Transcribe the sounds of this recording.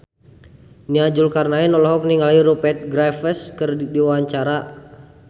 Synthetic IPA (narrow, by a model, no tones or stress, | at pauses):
niad͡ʒulkarnainɔlɔɦɔk̚niŋaliɾupɛt̪̚ɡɾafɛskɨrdiwaɲt͡ʃaɾa